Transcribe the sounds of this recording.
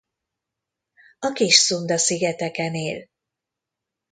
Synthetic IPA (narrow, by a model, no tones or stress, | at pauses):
ɒkiʃsund̪ɒsiɡɛt̪ɛkɛneːl